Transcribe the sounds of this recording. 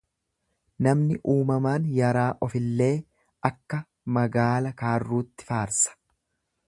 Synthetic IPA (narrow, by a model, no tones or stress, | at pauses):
nɐmnɪʔuːmɐmaːnjɐɾaːʔɔfɪlːe̞ː | ʔɐkːɐ | mɐɡaːlɐkaːrːuːt̪ːɪ̥faːɾsɐ̥